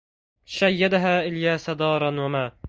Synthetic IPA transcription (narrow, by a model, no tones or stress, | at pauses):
ʃajːad̪aɦaːʔɪljaːsad̪ɑːɾˤɑnwamaː